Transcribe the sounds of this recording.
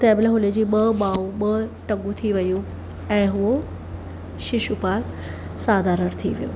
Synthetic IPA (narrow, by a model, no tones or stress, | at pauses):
t̪ɐ̃ɛ̃ːbɪləɦʊled͡ʑiːɓɐɓaːuɓɐʈɐ̃ŋɡũt̪ʰiʋɐjũ | ɛ̃ːɦʊɦo | ʃɪʃupaːl | saːd̪ʱaɾɐɾt̪ʰḭʋḭjo̰ː